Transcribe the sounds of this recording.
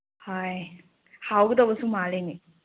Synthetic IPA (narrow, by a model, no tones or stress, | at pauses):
haj | hawɡɯd̪ɔbɐsuŋmalejni